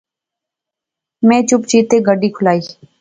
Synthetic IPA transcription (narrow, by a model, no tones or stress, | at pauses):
mɛ̃ːt͡ʃʊpt͡ʃiːt̪eːɡəɖiːkʰʊlaːiː